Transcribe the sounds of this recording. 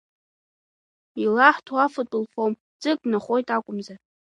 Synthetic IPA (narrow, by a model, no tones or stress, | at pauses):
ilaħtʰwafatʼɨlfom | d͡zʼɨk̚ʼnaχʷojtʼakʷʼʊmza